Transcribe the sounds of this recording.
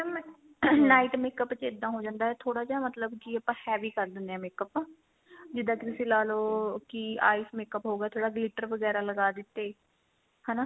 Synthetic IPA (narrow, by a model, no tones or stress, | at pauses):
m | naːiʈmeːkəpt͡ʃɪd̪ːãːɦoːd͡ʒãːnd̪aːɦɛːt̪ʰoːɽaːd͡ʒaːmət̪ləbd͡ʒiːəpãːhɛːʋiːkəɾd̪ɪnd̪ɛ̃ːmeːkəpː | d͡ʒɪd̪aːkt̪ɪseːlaːloːkɪa̰ːismeːkəpɦoːɡaːt̪ʰoːɽaːɡlɪʈəɾʋəɡɛːɾaːləɡaːd̪ɪt̪ːeː | hɛːnaː